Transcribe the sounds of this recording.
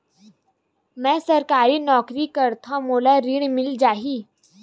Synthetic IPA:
mɛ̃sɐɾkaːɾinɔːkɾikɐɾt̪ʰãmoːlaɾiɽmɪld͡ʒaːɦiː

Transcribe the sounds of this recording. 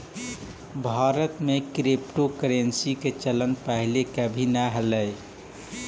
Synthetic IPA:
bʱaɾət̪mekɾepʈokɾensiket͡ʃələnpəɦilekəbʱinaɦələj

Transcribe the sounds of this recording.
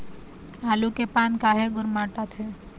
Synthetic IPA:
aːlukepaːnkaːɦeɡʊɾmaːʈat̪ʰe

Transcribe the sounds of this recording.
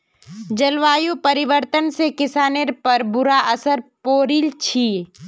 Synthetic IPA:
d͡ʒɐlʋaːjũpəɾɪʋəɾt̪ənsekɪsaːneɾpɐɾbʊɾaʔɐsəɾpoːɾilt͡ʃʰiː

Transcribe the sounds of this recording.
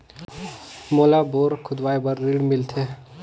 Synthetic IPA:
moːlaboːɾkʰʊd̪ʋaːjbɐɾːiːɽmɪlt̪ʰe

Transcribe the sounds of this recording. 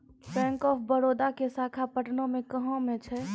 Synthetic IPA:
pɛ̃ːŋkɔːpʰbəɾoːd̪akesaːkʰapəʈnõmẽkəɦõmẽt͡ʃʰɛ

